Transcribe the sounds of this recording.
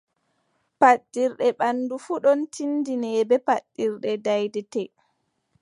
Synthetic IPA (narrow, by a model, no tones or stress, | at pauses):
paɗːiɾɗɛɓanːdufuɗɔntʰindinɛbɛpaɗːiɾɗɛdajdɛtɛ